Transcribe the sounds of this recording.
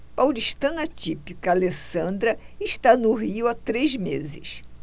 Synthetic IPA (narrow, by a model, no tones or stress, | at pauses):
pawliʃt̪ɐ̃nat͡ʃipikalesɐ̃nd̪ɾɐɪʃt̪anʊɦiʊat̪ɾezmḛzɪ̰s